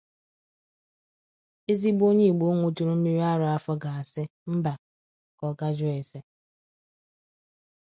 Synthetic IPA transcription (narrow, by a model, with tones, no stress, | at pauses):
e˦zi˦bo˦ɲe˦˨ɡ͡bo˨˦ŋʷo˦to˨ɾo˦m̩˦mi˦ɾi˦a˦ɾʊ˨a˦fɔ˦ɡa˨a˨sɪ˦m̩˦ba˨ | kɔ˨ɡa˦d͡ʒʊ˦e˨se˦